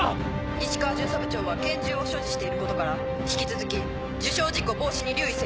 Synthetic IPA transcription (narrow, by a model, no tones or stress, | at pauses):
iɕi̥kaːʑɨ̃ːsabɯ̟t͡ɕo̞ːβakẽ̞ɲd͡ʑɨo̞ɕo̞ːʑiɕi̥t̪e̞iɾɯ̟ko̞t̪o̞kaɾa | çʲi̥kʲit͡sɨzɨkʲi | d͡ʑɨɕo̞ːd͡ʑiko̞bo̞ːɕiɲ̟iɾʲɨːise